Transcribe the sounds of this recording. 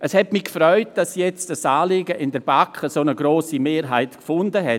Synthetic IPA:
ʔəshɛtmikfɾɔʏt̚d̥asjɛt͡std̥asaːleːɡəʔɪndɛɾb̥akəsoːnəɡɾoːsimeːɾɦaɪtkfʊndəɦɛ

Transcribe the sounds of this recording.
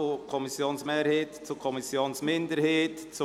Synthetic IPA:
ʊkʰɔmisjoːnsmeːɾheːtt͡sukʰɔmisjoːnsmɪndəɾheːtt͡sʊ

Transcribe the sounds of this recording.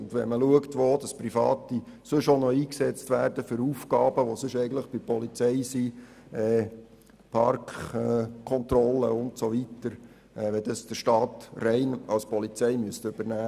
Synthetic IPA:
ʊndʋɛməluəktʋoːd̥ɑsprifɑ̰ːti | sɵʃonɔiːksɛt͡stʋæːrdəfʏɾuːfɡɑːbəʋosʏʃɛɪɡəntləχb̥ɪpɔlit͡sɛɪsi | ɛː | pʰɑɾkχkʰːɔnt̪rɔlːəʊntsoʋitəɾ | ʔɛʋɛdəsd̥əʃtɑːtrɛɪnɑ̰lspɔlit͡sɛɪmyəstøb̥ərnæː

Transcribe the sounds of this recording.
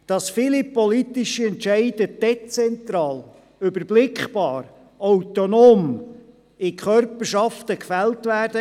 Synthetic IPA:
d̥ɑsfɪlipɔlit̪ɪʃiɛntʃɛɪd̥əd̥ɛt͡sɛnt̪ɾɑːl | ʏbəɾblɪkχb̥ɑːɾ | awtonoːm | ɪkʰχœrpəʃɑftəkfæltvæːrd̥ə

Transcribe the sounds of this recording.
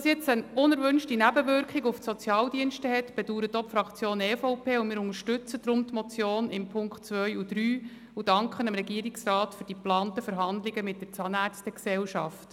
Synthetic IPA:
sjɛt͡sənʊnɛɾʋʉnʃtinæbəʋʏɾkχiɡufsɔt͡sjɑːldiənʃtəɦɛtb̥ɛd̥uːɾətopfɾɑkt͡sjoːnɛːfɔʊpʰeːʊmɪːɾʊŋəɾʃtʉt͡səd̥ɾʊmt̪mɔt͡sjoːnɪmpʰʊŋktt͡sʋœjud̥ɾyː | ud̥ɑŋkχənəmɾɛɡiəɾɪksrɑːtfʏɾd̥iplɑːntəfəɾɦɑnd̪lɪɡəmɪt̚d̥ət͡sɑnæːɾt͡stəksɛwʃɑft

